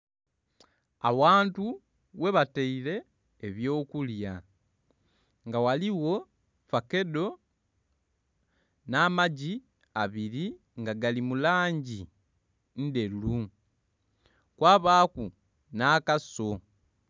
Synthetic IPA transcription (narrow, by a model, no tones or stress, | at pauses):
a̰waːntu | we̞βateile̞ː | βjo̞ːkulja | ŋɡawaliwo̞ | fake̞do̞ | naːmaɟi | aβiɾi | ŋɡaɡalimulaːɲɟi | n̩de̞lu | kwaːβaːku | naːkaso̞